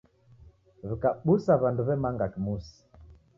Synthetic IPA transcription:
βikaɓusaβanduβɛmaŋɡakimusi̥

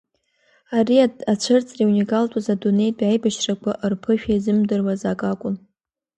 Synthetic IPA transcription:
ariaat͡ɕʷʰɨrt͡sʼriunikʼaltʼazadune̞jtʼajbaʃrakʷʰaʔɨrpʰɨʃᶣaizɨmdɨrwazakʼakʷʼʊn

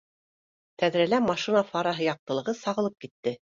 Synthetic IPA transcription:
t̪æðɾælæmɑʃinafɑɾɑɦɤjɑq̚t̪ɤ̆lˠɤ̆ʁɤsɑʁɤ̆lˠɤp̚kit̪ːɘ

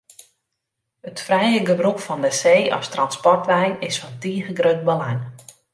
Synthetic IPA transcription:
ətfrɛjəɡəbrukfɔndəseːʔɔ̰stranspɔrtʋɛjnɪsfɔntiːɣəɡrøt̚bəlajŋ

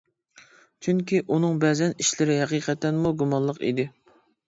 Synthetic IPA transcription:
t͡ʃʰyŋkʲiʔunɨŋbɛzɛniʃlɪɾɪɦɛqiqʰɛt̪ːɛnmuɡumɑnlˠəqḭd̪ɪ

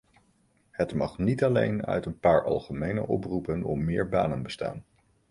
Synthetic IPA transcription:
hətmɑχnitɑlejnœ̰ɥtənpaːɹɑ̰lˠχəmejnə̰ʔɔprupənɔmːɪːɹba̰ːnənbəsta̰ːn

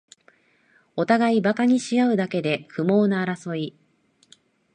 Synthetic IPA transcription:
o̞t̪aɡaibakaɲ̟iɕijaɯ̟d̪ake̞d̪e̞kɯ̟mo̞ːnaːɾaso̞i

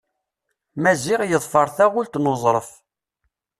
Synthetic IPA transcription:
mæziʁjəðˤfəɾˤθæʁʊlt̪nozˤɾˤəf

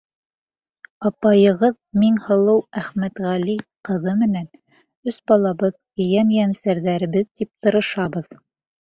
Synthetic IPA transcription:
ɑpɑjɤ̆ʁɤð | miŋhɤ̆lˠɤwæχmæt̪ʁæliqɤ̆ðɤmɘ̆næn | ɵsbɑlˠɑβɤðkɵ̆jænjænsæɾðæɾɘ̆βɘðt̪ip̚t̪ɤ̆ɾɤ̆ʃɑβɤð

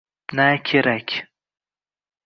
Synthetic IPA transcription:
nakʲʰeɾakʲʰ

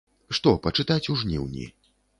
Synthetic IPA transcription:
ʂt̪ɔpɐt͡ʂɨt̪at͡sʲuʐnʲiwnʲḭ

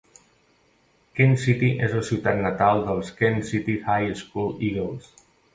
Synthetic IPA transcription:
kensit̪iʔezəlˠsiwt̪at̪nət̪alˠd̪əlˠskensit̪ihajəskuliɣəls

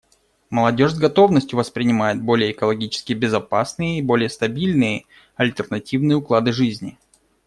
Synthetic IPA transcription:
məlˠɐdʲo̞ʂzɡɐt̪o̞vnəsʲtʲjʊvəspɾʲɪnʲɪmajɪt̪̚bo̞lʲɪjəːkəlˠɐɡʲit͡ɕɪ̥skʲɪjbʲɪzɐpasnɨjəibo̞lʲɪjəst̪ɐbʲilʲnɨjə | ɐlʲt̪ərnɐtʲivnɨjəʊklˠad̪ɨʐɨzʲnʲɪ

